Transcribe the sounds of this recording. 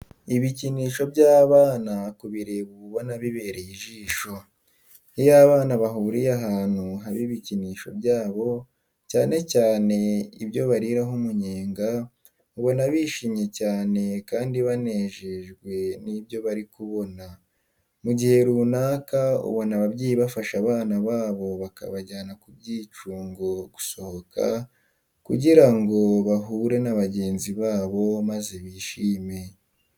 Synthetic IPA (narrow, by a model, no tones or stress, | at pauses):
iβiciniːʃo̞bɟaːβaːnakuβiɾeβuβo̞naβiβe̞ːɾejiʒiːʃo̞ | ijaːβaːnaβaɦuuɾijaɦaːn̥huɦaβiβiciniːʃo̞bjaːβo̞ | caːne̞caːne̞ibjo̞βaɾiɾaɦumuɲeːŋɡa | uβo̞naβiːʃimɲe̞caːne̞kaːndiβane̞ːʒeʒɡwe̞niβjo̞βaɾikuβo̞na | muɟihe̞ɾuːnaːkaṵβonaβabɟiːjiβafaʃaβaːnaβaːβo̞βaka̰βaɟaːnakub̚ɟiːt͡ʃuːŋɡo̞ɡ̥uso̞hokʰa̰ | kuɟiɾaŋɡo̞βaɦuɾe̞naβaɟe̞ːnziβaːβo̞maze̞βiːʃiːme̞